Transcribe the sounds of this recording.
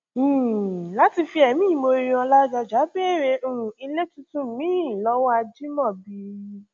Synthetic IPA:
la˦ti˧fi˧˦ɛ˨mĩː˦mo˧˦ɾĩ˧ɔ˧la˦d͡ʒa˧d͡ʒa˨˦be˦˨ɾe˧u˦˨ũ˨i˧le˦tũ˧˦tũ˦˨mĩ˦˨lɔ˨˦wa˧d͡ʒi˦mɔ̃˦˨bi˧˦

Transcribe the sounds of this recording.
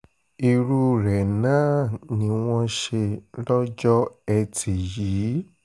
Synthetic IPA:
i˧ɾu˧ɾɛ˨nã˦nĩ˧˦w̃ɔ̃˦ʃe˧lɔ˦d͡ʒɔ˦ɛ˧tʰi˨jiː˨˦

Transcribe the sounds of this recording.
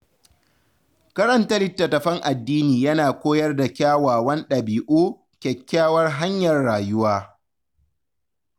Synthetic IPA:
kɐ˦ɾɐ˦ntɐ˦lɪ˦tːɐ˨tɐ˨ɸɐ˦ŋʔa˨dːiː˦niː˨jɐ˦naː˨kʷoː˦jɐ˦rda˨kʲaː˦waː˨wɐ˦nɗɐ˨biː˨ʔuː˦ | kʲɛ˨kʲːaː˦wɐ˦rɦa˦ɲjɐ˨rːaː˨jʊ˦waː˦

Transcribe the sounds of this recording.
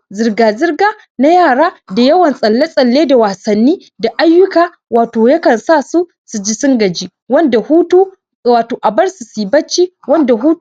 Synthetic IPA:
zɪ˨rɡaː˨zɪ˦rɡaː˦ | na˦jaː˦˨ɽaː˦da˨jɐ˦wɐ˨nsʼɐ˨lːa˦sʼɐ˨lːeː˦da˨waː˨sɐ˨nːiː˦ | da˨ʔa˦jːʊ˦kaː˨ | waː˨toː˨jɐ˦kɐ˨nsaː˦˨su˦ | su˨d͡ʒi˦sʊ˦ŋɡɐ˨d͡ʒiː˦ | wɐ˦nda˨huː˦tu˦ | waː˨toː˨ʔa˨bɐ˦ɽsu˨si˨bɐ˦t͡ʃːiː˦wɐ˦nda˨ɦuː˦

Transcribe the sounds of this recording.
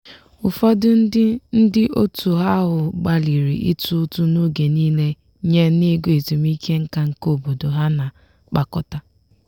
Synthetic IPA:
ʊ˨fɔ˦dʊ˦n̩˦dɪ˦ʔo˦tu˨ɦa˦ɦʊ˨ɡ͡ba˨li˨ɾi˨ʔi˦tu˦tu˦no˦ɡe˨niː˦le˦ | ɲe˦ni˦ɡo˨e˨tu˨mi˦kʰe˦ŋ̩˦ka˦ŋ̩˨ko˦bo˨do˨ɦa˦na˨ | k͡pa˨kɔ˦ta˦

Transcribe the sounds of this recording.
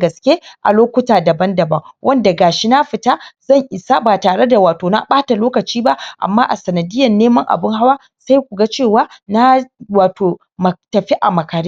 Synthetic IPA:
ɡɐ˨skʲe˦ʔa̰˨loː˦kʷʊ˦taː˨dɐ˨bɐ˦ndɐ˨bɐ˦ŋwʔɐ˦nda˨ɡaː˨ʃi˦na˦ɸɪ˨ta˦zɐ˦˨ŋʔɪ˨sa˦baː˨taː˨ɽe˦da˨waː˨toː˨na̰˦ɓaː˦ta˨loː˦kɐ˨t͡ʃiː˦ba˦ʔʔa̰˨mːaː˦ʔa˨sɐ˨nɐ˨dɪ˦jːɐ˨nːeː˦mɐ˦ŋʔa̰˨bɪ˦ŋha˦waː˦ | sa˦jkʷu˨ɡa˦t͡ʃeː˦˨waː˦na˦waː˨toː˨ | mɐ˨tɐ˨ɸi˦ʔa˨mɐ˨kaː˨ɾi˦

